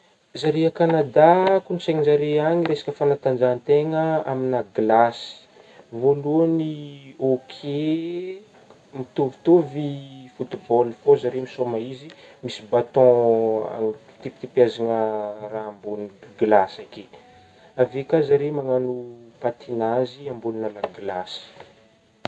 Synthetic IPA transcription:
zaɾeakanad̪akunisaɲizaɾeaɲiɾesḁkəfanat̪and͡ʒant̪eŋəaminaɡlasi̥ | voluaniokʰe | mit̪ovi̥t̪ovifut̪ibɔlfozaɾemisomaizimisibat̪ɔ̃a̰ | t̪ip̚t̪ipjazaŋəraɦambunɡlasake | avekazaɾemaŋanupat̪inaziambuninalaɡlasi̥

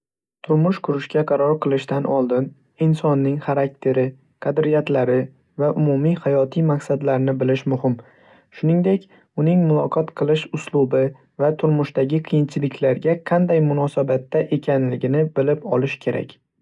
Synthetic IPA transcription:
t̪ʰʊɾmʊʃkʰʊɾɪʃkʲaqʰɑɾɒɾqʰɨlˠɪʃt̪anʔɒlˠd̪ɪn | ɪnsɒnːɪŋχaɾak̚ʲt̪ʰe̞ɾɪ | qʰɑd̪ɾijat̪laɾɪ | vaʔʊmumijhajɒt̪ʰijmaqsad̪laɾnɪbɪlɪʃmʊhɪm | ʃʊnɪŋd̪e̞kʲ | ʊnɪŋmʊlˠɒqʰɒt̪qʰɨlˠɪʃʊslˠʊbɪ | vat̪ʰʊɾmʊʃt̪aɡʲɪqʰɨjɪnt͡ʃʰɪlɪkʲlaɾɡʲaqʰɑnd̪ajmʊnɒsabat̪ːaʔe̞kʲʰanlɪɡʲɪnɪbɪlɪpɒlˠɪʃkʲʰe̞ɾʔa̰kʲ

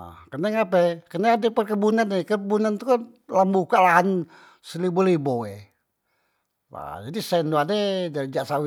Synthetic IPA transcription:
kənɛŋapɛkənaadɛpərkəbunanɛkəbunant̪uka | lambukalaɦan | səliboliboe | wa̰d͡ʒadisɛndoaded͡ʒaɾid͡ʒaʔsawi

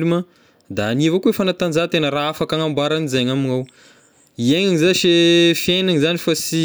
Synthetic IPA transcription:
lumə | d̪aanivokuefanat̪and͡zat̪enəɾaafakaŋambaɾanizeɲaminaw | ieŋaŋzaʃefienaŋizanifasi

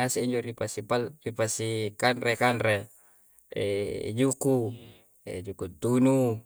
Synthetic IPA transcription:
aseiɲd͡ʒoɾipasipalripasikanrekanre | ḛd͡ʒuku | ḛd͡ʒukut̪unu

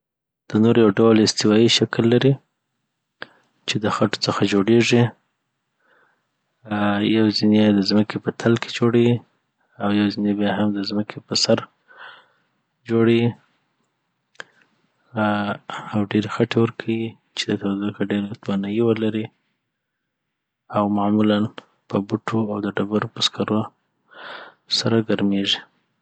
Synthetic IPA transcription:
d̪̥ənoɾjawɖawlɪst̪ɪwɑiʃaklːaɾi | t͡ʃed̪əxaʈo̥t͡səxad͡ʒoɽeʐi | jawzined̪əzməkʰepət̪ʰalkʰe̥d͡ʒoɽawi | awjawzinebjaɦamd̪əzməkʰepəsaɾ | d͡ʒoɽewi | awɖeɾexaʈewəɾkʰawi | t͡ʃed̪ət̪awad̪əkaɖeɾat̪wanajiwəlaɾi | awmamulan | pəbuʈʰoawd̪əɖabaɾopəskaɾo | saɾaɡaɾmeʒi

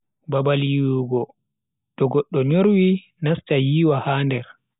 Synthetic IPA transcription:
babalijuɡɔ | ɗɔɡɔɗːɔɲoɾwi | nastajiːwahaːndɛɾ

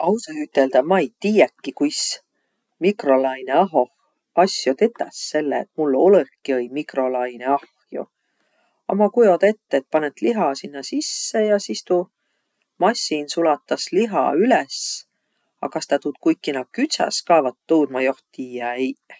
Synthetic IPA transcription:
ɑwsɑhyt̪ːe̞ld̪̥ɑmɑejt̪iːjækːikujs | mikro̞lɑjneɑɦo̞h | ɑsjot̪e̞t̪ːɑsːe̞lːḛḛt̪mulːo̞ləkːiɤjmikro̞lɑjneɑhjo̰ | ɑ̰mɑkujo̞d̪e̞t̪ːeet̪̚pɑnet̪liɦɑsinːɑsisːejɑsist̪u | mɑsʲːinsulɑt̪ːˑɑsliɦɑ̰ylɛs | ɑ̰kɑst̪ɑt̪uːt̪kujkːˑinɑ̥kyt̪sɑ̰skɑːvɑt̪ːuːd̪̥mɑjo̞ht̪ːiːæej

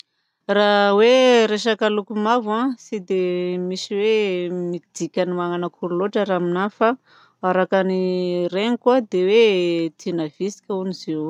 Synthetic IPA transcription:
raweɾeʃakalukumavãsid̪emisiwemid̪̥ikʲanimaŋanakʰuɾuloʈ͡ʂəɾaːminafa | aɾakanireŋikwad̪ewet̪ʰinavisi̥kʲaunize

